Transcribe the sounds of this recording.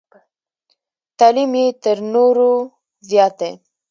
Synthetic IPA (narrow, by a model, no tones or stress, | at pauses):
t̪alimjet̪əɾnoɾo | zjɑːt̪̚e